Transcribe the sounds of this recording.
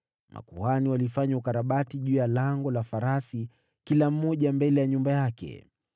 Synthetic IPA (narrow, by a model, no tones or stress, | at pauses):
ma̰kuhaniwalifaɲaukaɾaɓatiʄuːjalaŋɡɔlafaɾasi | kilam̩ːɔʄambɛlɛjaɲumbajakɛ̰